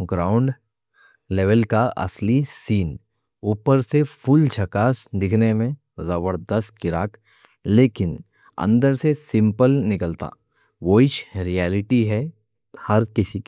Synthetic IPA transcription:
ɡɾaːʊ̃ɳɖ | leːʋəlkaʔɐ̰slisiːn | uːpəɾsepʰʊlt͡ʃʰɐkaːsd̪ɪkʰnemẽ | zɐbəɾd̪əst̪̚kɪɾa̰ːk | leːkɪn | ɐ̰̃nd̪əɾsesɪ̃mpəlnɪkəlt̪a̰ː | ʋoɪʃɾiɛːlɪʈiɦɛ | hɐɾkɪsik

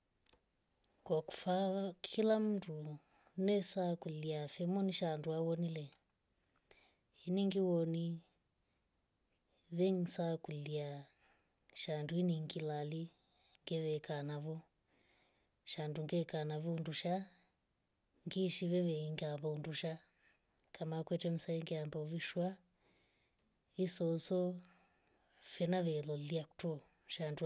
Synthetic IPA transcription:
kwaku̥fakʰilam̩du | nɛsakuliafɛmɔniʃanduaβɔnilɛ | hiniŋɡiwɔni | βɛŋsakulia | ʃanduiniŋɡilali | ŋɡɛʋɛkanaβɔ | ʃanduŋɡɛkanaβɔunduʃa | ŋɡiʃiʋɛʋɛiŋɡambaunduʃa | kʰamakwɛtɛm̩saiŋɡɛambauβiʃwa | isɔsɔ | fɛnaʋɛlɔliaku̥tu | ʃandu

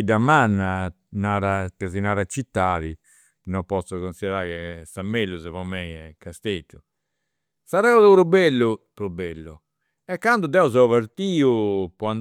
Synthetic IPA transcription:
d̪amanːa | naːɾakazinaːɾat͡ʃːit̪ːaːði | nɔmpɔsːɔɣonsiðɛɾaɣɛsamːelːuzɛvɔmɛjɛkast̪et̪ːu | saɾɛuluɾubelːupɾubːelːu | ɛkːand̪ud̪ɛɔzɔvaɾt̪iːupɔan

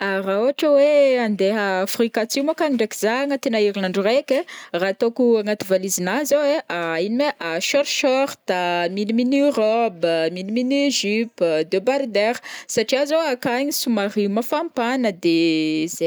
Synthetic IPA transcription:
aɾauaʈ͡ʂəweand̪eɦəːfrikat͡simokaniɳɖ͡ʐekizaŋət̪enaiɾinaɳɖ͡ʐurekʲerat̪okuaŋat̪ivalizinazoweainimeʔaʃɔɾʃɔɾt̪amiliminrɔbəmiliminʒypd̪ebaɾd̪eɾsaʈ͡ʂiazoakaɲisumarimafampanəd̪eze

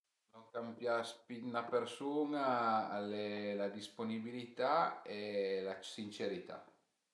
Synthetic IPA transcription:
noŋkampjaspinapeɾsuŋaːlelad̪isponibilit̪aelasint͡ʃeɾit̪a̰

